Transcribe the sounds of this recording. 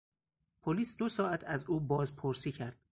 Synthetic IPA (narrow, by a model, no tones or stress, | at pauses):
pʰoliːsd̪osɒːæt̪ʰæzuːbɒːzpʰoɾsiːcʰæɾd̪̥̚